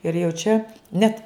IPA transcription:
ɪr jɛʊ ˈt͡ʃʲɛ ˈnʲɛt

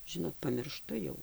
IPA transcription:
ˈʒʲɪnoːt pɐmʲɪrˈʃtʊ jɛʊ

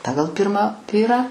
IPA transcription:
ˈpɑːɡɐlˠ ˈpʲɪrmɑː ˈʋʲiːrɑː

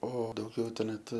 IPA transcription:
ˈoː dɐʊˈɡʲɛʊ tɐɪ ˈnʲɛt

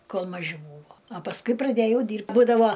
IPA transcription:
ˈkoːlˠ mɐˈʒʲɪ ˈbuːʋoː ɐ pɐsˈkʊɪ prɐˈdʲeːjɛʊ ˈdʲiːrpt ˈbuːdɐʋoː

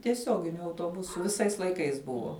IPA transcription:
tʲiɛˈsʲoːɡʲɪnʲʊ ɐʊtoːˈbʊsʊ ʋʲɪˈsɐɪs lˠɐɪˈkɐɪs ˈbʊʋoː

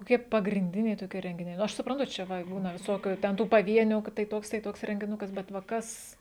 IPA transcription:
koːˈkʲiɛ pɐɡrʲɪnʲˈdʲɪnʲɛɪ toːˈkʲiɛ rʲɛŋʲɡʲɪˈnʲɛɪ nʊ ˈɐʃ sʊprɐnˈtʊ ˈt͡ʃʲɛ ˈʋɐ ˈbuːnɐ ʋʲɪˈsoːkʲʊ tʲɛn ˈtuː pɐˈʋʲiɛnʲuː kɐ tɐɪ ˈtoːks tɐɪ ˈtoːks rʲɛŋʲɡʲɪˈnʊkɐs bʲɛt ʋɐ ˈkɐs

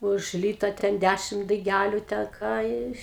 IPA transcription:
ʊʃ ˈlʲiːtɐ tʲɛn ˈdʲæʃʲɪm dɐɪˈɡʲælʲʊ tʲɛn ˈkɑː ɪʃ

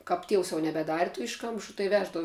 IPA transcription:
kɐp ˈtʲiɛws jɛʊ nʲɛbʲɛˈdɑːrʲɪ tʊ ˈɪʃkɐmʃʊ tɐɪ ˈʋʲæːʒdɐʋʊ

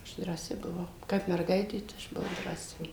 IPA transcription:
ˈɐʃ drɑːˈsʲɪ bʊˈʋɐʊ ˈkɐp mʲɛrˈɡɐɪtʲeː tɐɪ ˈɐʃ bʊˈʋɐʊ drɑːˈsʲɪ

